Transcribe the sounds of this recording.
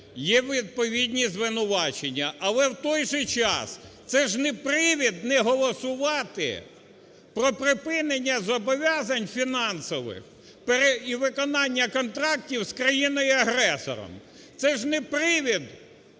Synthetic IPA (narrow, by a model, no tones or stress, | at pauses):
jɛʋʲid̪̚pɔʋʲid̪ʲnʲizʋɪnʊʋɑt͡ʃenʲːɐʔɐlˠɛwt̪ɔjʒɛt͡ʃɑ̰st̪sɛʒnɛpɾɪʋʲid̪nɛɦɔlˠɔsʊʋɑt̪ɪ̰ | pɾɔpɾɪpɪnenʲːɐzɔbɔʋʲɑzɐnʲfʲinɑnsɔʋɪ̰x | peɾeiʋɪkɔnɑnʲːɐkɔnt̪ɾɑktʲiwskɾɐjinɔjʊɐɦɾɛsɔ̰ɾɔ̰m | t̪sɛʒnɛpɾɪʋʲid̪